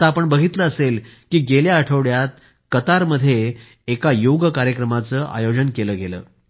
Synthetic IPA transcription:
t̪aapəɳbəɡʱit̪ləəselkiːɡeljaəʈʰəʋɽjat̪̚ | kət̪aɾməd̪ʱːjeː | kajoɡəkaɾjəkɾəmat͡səːʔa̰jod͡zənkeləːɡelə̰ː

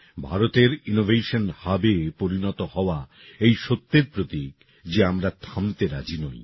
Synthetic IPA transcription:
bʱaɾot̪eɾinovʱeʃonhabepoɾinɔt̪ohɔoa | ejʃot̪ːeɾpɾot̪ik | d͡ʑeamɾat̪ʰamt̪eɾad͡ʑinɔj

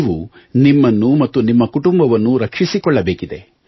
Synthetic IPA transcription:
ʋu | nimːɐnːumɐt̪ːunimːɐkuʈumbɐʋɐnːuɾɐkʂisikɔɭːɐbeːkid̪e̞

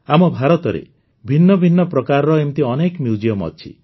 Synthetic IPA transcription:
amɔbʱaɾɔt̪ɔɾḛ | bʱinːɔbʱinːɔpɾɔkaɾɾɔemt̪iɔnekmjud͡ʒijɔmɔ̰t͡ʃʰḭ

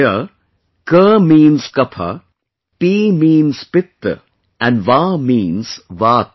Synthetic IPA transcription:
ə | kəːmĩːnz̥kɐpʰa̰ | piːmĩːnz̥pɪt̪ːə̰ | æ̃nɖʋaːmĩːnz̥ʋaːt̪

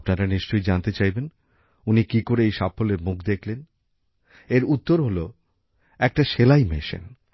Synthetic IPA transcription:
pnaɾaniʃt͡ɕojd͡ʑant̪et͡ɕajben | unikikoɾeejʃapʰːoleɾmukʰd̪ekʰlen | eɾut̪ːoɾɦolo | ɛk̚ʈaʃelajmeʃḛn

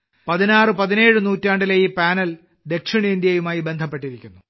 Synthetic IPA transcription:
pɐðinaːrɨpɐðine̞ːɻɨnuːtːaːɳɖilejipaːnɐl | d̪e̞kʂiɳɐind̪jɐjumaːjibe̞nd̪ʱɐpːe̞ʈːiɾikʲːunːu

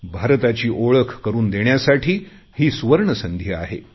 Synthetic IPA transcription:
bʱaɾt̪at͡ɕiːʔoɭəkʰkəɾuːnd̪eɳjasaʈʰiː | hiːsʋəɾɳəsənd̪ʱjəa̰ɦḛ

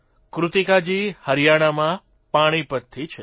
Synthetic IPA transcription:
kɾut̪ikad͡ʒihəɾijaɽ̃amã | paɽ̃ipət̪ʰːit͡ʃʰe

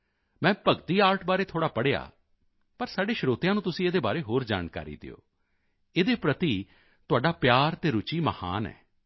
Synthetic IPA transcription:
mɛ̃ːpəɡt̪iːaːɾʈbaːɾeːt̪ʰoːɽaːpəɽeːa̰ː | pəɾsaːɖeːʃɾoːt̪jãːnũːt̪ʊsĩːeːd̪eːbaːɾeːɦoːɾd͡ʒa̰ːnka̰ːɾḭːd̪ɪ̰o̰ː | eːd̪eːpɾət̪iː | t̪ʊaːɖaːpjaːɾt̪eːɾʊt͡ʃiːməha̰ːnɛ̰ː

